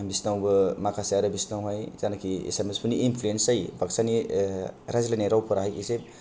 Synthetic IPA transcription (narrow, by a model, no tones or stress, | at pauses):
bisnawbɐmakʰasaaɾɯbisnawɦajzanakʰiḛsamespʰuniːnpʰluensajbak̚sani | ɾazlanaɾawpʰɯɾaɦajisep